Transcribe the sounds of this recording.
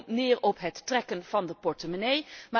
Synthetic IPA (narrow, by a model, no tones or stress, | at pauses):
nɪːɹɔpɦətːrɛkənv̥ɑndəpɔɹtəmənejma